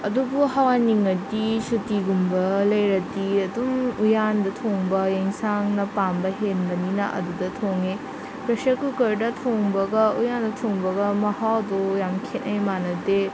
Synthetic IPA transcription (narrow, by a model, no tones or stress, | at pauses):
ɐdubuhawaniŋɐdisutiɡumbɐlɐjɾɐdiɐdumujandɐtʰoŋbɐjeŋsaŋnɐpambɐɦenbɐninɐʔɐ̰dudɐtʰoŋe | pɾɐsɐkukɐɾdɐtʰoŋbɐɡɐujandɐtʰoŋbɐɡɐmɐhawdojamkʰenɐjmanɐde